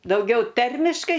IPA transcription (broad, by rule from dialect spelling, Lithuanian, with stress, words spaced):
dɐʊˈɡʲɛʊ ˈtʲɛrʲmʲɪʃkɐɪ